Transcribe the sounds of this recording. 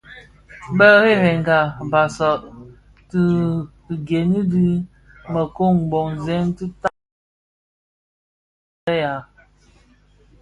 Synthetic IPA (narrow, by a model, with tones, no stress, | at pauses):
bə˦ɣe˦ɾe˨ŋ˨ɡa˨ba˨sɔ˨ʔ | ti˦˨ | ɡe˨ni˦di˦ | mə˨ko˦˨ŋ˨bo˨ŋzɛ˦n˦ti˦ta˦ | ə˦ja˨